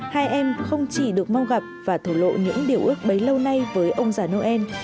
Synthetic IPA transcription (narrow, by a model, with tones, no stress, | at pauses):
haː˧jʔɛ˧mxə˧wŋ͡mt͡ɕi˧˩ɗɨ˨˩ək̚ma˧wɣa˨˩p̚vaː˨˩t̪ʰu˧˩lo̰˧˨ɲɨ̰˧˥ŋɗi˨˩əwʔɨ˦˥ək̚ɓə˨˦jlə˧wna˧jvəː˨˦jʔə˧wŋ͡mzaː˨˩no˧ʔɛ˧n